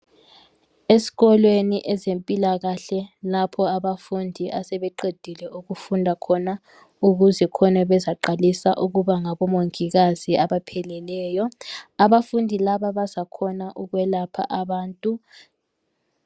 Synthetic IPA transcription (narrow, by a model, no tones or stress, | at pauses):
esi̥ɣɔlweniʔɛzempʼilaɣaɬɛlapʰɔaβafundʱiʔasɛβɛǃed̥ʱilɛuɣufundʱakʰɔna | uɣuzɛkʰɔnaβɛzaǃalisaʔuɣuβaŋaβɔmoŋiɣaziaβapʰɛlɛlɛːjɔaβafundʱilaβaβazakʰɔnaʔuɣwɛlapʰa̰ʔaβaːntʼu